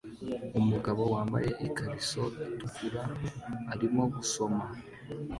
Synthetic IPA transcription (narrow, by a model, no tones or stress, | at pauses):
umuɡaβo̞waːmba̰je̞ʔikaɾiso̞itukuɾaː | ɾimo̞ɡuso̞ma